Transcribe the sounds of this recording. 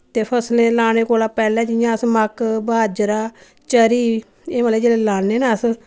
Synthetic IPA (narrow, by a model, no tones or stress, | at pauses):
t̪eːpʰəslẽːlaːneːkoːlaːpɛːlɛ̃ːd͡ʒɪjãːəsməkbaːd͡ʒɾaː | t͡ʃəɾiː | eːmaːleːd͡ʒeːleːlaːneːnaəs